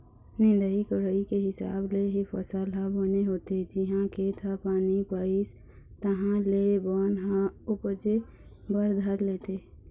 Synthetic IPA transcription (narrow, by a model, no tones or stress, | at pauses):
nɪnd̪əɦikəɾəikeɦɪsa̰ːbleɦipʰəsəlɦãbəneɦoːt̪ed͡ʒiɦãket̪ʰəpaːnipais | t̪əɦãlebənɦãupəd͡ʒe | bəɾd̪ʱəɾleːt̪e